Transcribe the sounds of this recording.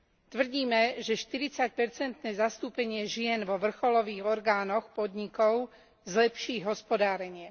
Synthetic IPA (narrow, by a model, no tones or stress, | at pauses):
t̪ʋr̩ɟiːmɛʒɛʃt̪iɾit͡sac̚pɛɾt͡sɛnt̪nɛːzast̪uːpɛɲɪɛʒɪɛnʋɔʋr̩xɔlɔʋiːɣɔɾɡaːnɔxpɔd̪ɲikɔʊ | zlɛpʃiːɦɔspɔd̪aːɾɛɲɪɛ